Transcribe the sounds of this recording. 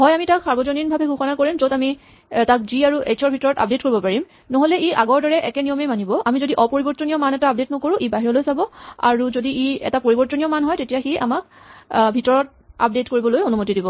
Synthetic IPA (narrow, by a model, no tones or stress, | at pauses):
ɦɔjamitaksaɹbɔzoninbʱabɛɡʱuxɔnakoɹimzotami | takziaɹuesʰɔɹbʱitɔɹɔta̰p̚det̚koɹibɔpaɹim | nɔɦolɛʔiʔaɡɔɹdɔɹɛʔɛkɛnijɔmemanibɔʔamizodiʔɔpoɹibɔɹtɔniɔmanɛtaːp̚det̚nɔkoɹũʔibaɦiɹɔlojsabɔa̰ɹuzodiʔiɛ̰tapoɹibɔɹtɔnijɔmanɦɔjtetijaxeʔa̰mak̚ | bʱitɔɹɔt̚ | a̰p̚detkoɹibɔlojonumotidibɔ